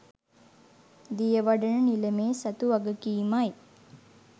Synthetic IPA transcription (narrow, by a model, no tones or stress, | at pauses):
d̪ijəʋaɖənənilemeːsɐt̪uʋaɡəkiːmaj